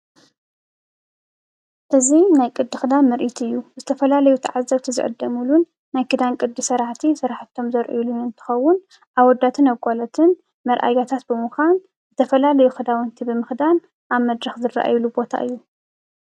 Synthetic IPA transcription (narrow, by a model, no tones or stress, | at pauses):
ʔɨzinajkʼɨd̪ːɨxɨd̪amːɐɾʔit̪ʰɨjːuzɨt̪ʰɐfɐlalɐjut̪ʰa̰ʕazːɐβt̪ʰizɨ̰ʕɨ̰d̪ːɐmulunː | ajkʰɨd̪ankʼɨd̪ːɨsɐɾaħt̪ʰisɨɾaħt̪ʰːo̞mzɐɾʔḭlunɨnt̪ʰɨ̥xɐwːʊn | ʔaβwɔd̪ːat̪ʰɨnaβkʼolɐt̪ʰɨn | mɐɾʔa̰jat̪ʰat̪̚bɨmuxʷan | zɨt̪ʰɐfɐlalɐjuxɨd̪awɨnt̪ʰibɨmɨxd̪an | ʔaβmɐd̪ɾɐxzɨra̰ʔa̰jlubo̞t̪ʰa̰ʔɨjːu